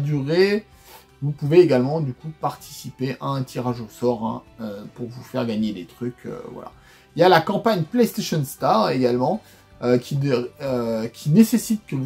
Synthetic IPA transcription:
d̪yʁe | vupuveːɡalmɑ̃d̪ykupaʁt̪ʰi̥sipeʔaɛ̃t̪ʰiʁaʒosɔʁɛ̰̃øpuʁvufɛʁɡaɲed̪et̪χykʲø̰vwa̰la̰ | iljalakɑ̃paɲplɛjst̪eʃɔnst̪aʁeɡalmɑ̃ | økʲiøkʲʰinesesit̪̚kəvu

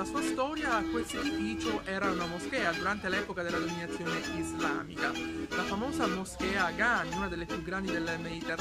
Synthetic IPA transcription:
asuːast̪ɔːɾjakːwest̪oed̪ifiːt͡ʃoʔɛːɾaunamoskɛːad̪uɾant̪elɛːpokad̪elːad̪ominat̪sːjoːneizla̰ːmḭka̰lafamoːzamoskɛːaɡanuːnad̪elːepjuɡːɾand̪id̪elːemed̪it̪er

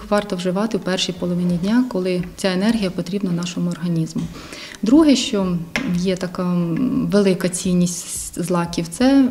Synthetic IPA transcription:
xʋɑrt̪ɔwʒɪʋɑt̪ɪwpɛrʃijpɔlˠɔʋɪnʲidʲnʲɑkɔlˠɪt͡sʲaenɛrɦʲijɐpɔt̪ɾʲibnɐnɑʃɔmʊɔrɦɐnʲizmʊ | d̪ɾuɦɛʃt͡ʃɔjɛt̪ɐkɑʋelˠɪkɐt͡sʲijnʲːisʲtʲzlˠɑkʲiwt̪sɛ

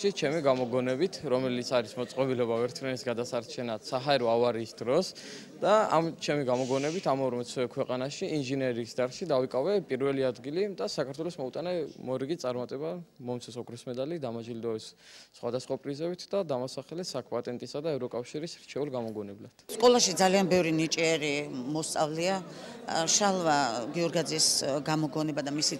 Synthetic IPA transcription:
it͡ʃʰɛmiɡamɔɡɔnɛbit̪ʰɾɔmɛlit̪sʰaɾismɔt̪sʼqʼɔbilɛbavɛɾt̪ʰɾɛnisɡad̪asaɾt͡ʃʰɛnat̪saɦaɛɾɔavaɾiːsd̪ɾɔs | d̪̥aa̰mt͡ʃʰɛmiɡamɔɡɔnɛbit̪ʰamɔɾmɛsʰɛkʰwɛqʼanaʃiinʒinɛɾiːsd̪aɾʃid̪avikʼavɛpʼiɾvɛliad̪ɡilid̪asakʰaɾt̪wɛlɔsmɔut̪ʼanɛmɔɾiɡit̪sʼaɾmat̪ʼɛbamɔmt̪sʰɛsɔkʰɾismɛd̪alid̪amad͡ʒild̪ɔɛsːχwad̪asχwapʼɾizɛbit̪ʰd̪ad̪amasaχɛlɛsakʰpʼat̪ʼɛnt̪ʼisad̪aɛvɾɔkʼafʃiɾisɾt͡ʃʰɛulɡamɔɡɔnɛblad̪̥skʼɔlˠaʃid̪zalianbɛvɾinit͡ʃʼiɛɾimɔst̪sʼa̰vlia | ʃalˠvaɡiɔɾɡad̪ziːsɡamɔɡɔnɛbad̪amisi

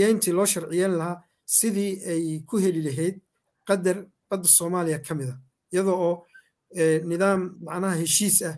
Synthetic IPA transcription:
ɛjnt̪ʰilɔːʃɐrʕɪjɛːnlɐɦaː | sɪðiːɛjkʰʊɦɛlɪlɐɦɛjd̪̚ | qɑd̪ɐr | b̥ɐd̪ːɐsɔːmaːlɪjɐkʰɐmɪðɐ | ɪjɐðɔɔː | nɪðaːmmɑʕnɐɦɐhɛʃiːsɐ

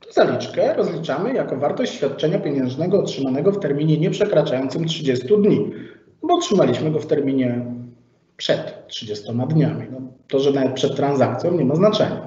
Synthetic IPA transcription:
t̪ɔzalʲit͡ʂkɛɾɔzlʲit͡ʂamɘjakɔvaɾt̪ɔɕt͡ɕɕfʲjat̪̚t͡ʂɛɲapʲjeɲɛ̃ʐnɛɡɔːtʂɘmanɛɡɔft̪ɛɾmʲiɲɛɲɛpʂɛkɾat͡ʂajɔnt̪sɘmtʂɘd͡ʑɛst̪ud̪ɲi | bɔːtʂɘmalʲiɕmɘɡɔft̪ɛɾmʲiɲɛ | pʂɛt̪ːʂɘd͡ʑɛst̪ɔmad̪ɲamʲinɔt̪ɔʐɛnavɛt̪pʂɛt̪ːɾanzak̚t̪sʲjɔ̃w̃ɲɛmaznat͡ʂɛ̰ɲa

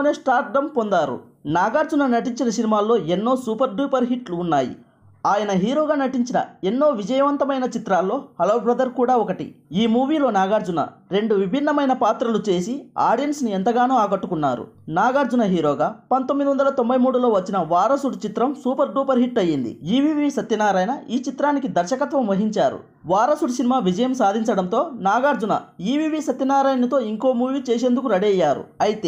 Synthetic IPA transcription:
neːsʈaːɾʈ̚ɖɐmpond̪aːɾṵ | naːɡaːɾd͡ʒunɐnɐʈ̬iɲt͡ʃinɐsinimaːlːo̞ːe̞nːo̞ːsuːpɐɾɖuːpɐɾɦiʈluːnːaːjḭ | aːjɐnɐɦiːɾoːɡaːnɐʈiɲt͡ʃinɐ̰e̞nːo̞ːʋid͡ʒɐjɐʋɐnt̪ɐmɐjnɐt͡ʃit̪ɾaːlːo̞ːhɐlɐʋwbɾɐd̪ɐɾkuːɽaːɔkɐʈḭiːmuːʋiːlo̞ːnaːɡaːɾd͡ʒunɐ̰ɾe̞ɳɖuʋibʱinːɐmɐjnɐpaːt̪ɾɐlut͡ʃe̞ːsia̰ːɖijɐnsnient̪ɐɡaːnuːaːɡɐʈːukunːa̰ːɾṵnaːɡaːɾd͡ʒunɐɦiːɾoːɡaːpɐnt̪omːid̪iʋɐnd̪ɐlɐt̪o̞mbɐjmuːɽulo̞ːʋɐt͡ʃːinɐʋaːɾɐsuɽt͡ʃit̪ɾɐmsuːpɐɾɖuːpɐɾɦiʈːɐjːind̪ḭiːʋiːʋisɐt̪ːɐnaːɾaːjnɐʔiːt͡ʃit̪ɾaːnikid̪ɐɾʃɐkɐt̪ʋɐmʋɐɦiɲt͡ʃaːɾṵ | ʋaːɾɐsuɽsinimaːʋid͡ʒɐjɐmsaːd̪ʱiɲt͡ʃɐɽɐmnt̪o̞ːnaːɡaːɾd͡ʒunɐ̰iːʋiːʋiːsɐt̪ːɐnaːɾaːjnɐt̪o̞ːiŋko̞ːmuːʋiːt͡ʃeːs̬e̞ːnd̪ukuɾɐɽiɐjːaːɾṵɐjit̪eː

